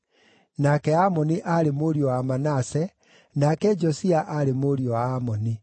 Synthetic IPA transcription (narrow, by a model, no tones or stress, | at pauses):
nakɛamɔniʔaɾemoɾjɔwamanasɛ | nakɛd͡ʒɔsiaʔaɾemoːɾiɔwaamɔni